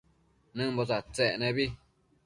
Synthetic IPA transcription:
nɨ̃mbot͡sat͡seʔnẽβi

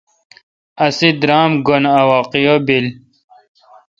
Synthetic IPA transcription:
ɐsid̪ɾaːmɡonɐwɑːqijobil

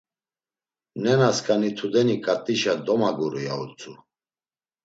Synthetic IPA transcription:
nɛnaskʼanit̪ʰud̪ɛnikʼat̪ʼiʃad̪ɔmaɡuɾuja̰ut͡sʼu

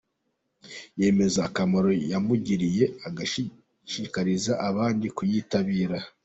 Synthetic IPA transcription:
je̞ːme̞zaːkamoɾo̞jamuɟiɾije̞aɡa | ʃikaɾizaʔaβaːndikujitaβiːɾa

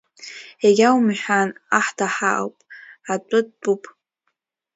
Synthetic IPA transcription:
eɡʲawmħʷᶣanaħdʰaħaʔa̰wpʼat͡ʃʷʼʊd̚bʼupʼ

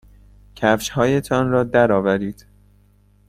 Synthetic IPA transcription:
cʰæfʃhɒːje̞t̪ʰɒnɾɒːd̪æɾɒːvæɾiːd̪̥

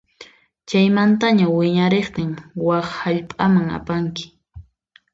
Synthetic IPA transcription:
t͡ʃajmant̪aɲawɪɲaɾeχt̪ɪŋwaχhaʎpʼamaŋa̰paŋkɪ̥

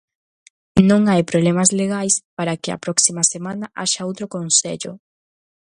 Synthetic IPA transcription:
nõŋajpɾoβlemɐzleɣajspaɾakɪɐ̰pɾɔksimɐsemanɐʔa̰ʃɐowt̪ɾokonseʎʊ̰

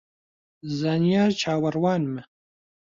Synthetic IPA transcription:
zaːnijaːɾt͡ʃʰaːwɐɾwaːnmɨ

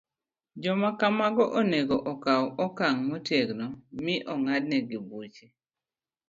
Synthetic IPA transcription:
d͡ʒɔmakamaɡɔʔoneɡoʔɔkawɔkaŋmotjeɡnɔmɪʔɔŋad̚nɛɡibut͡ʃe

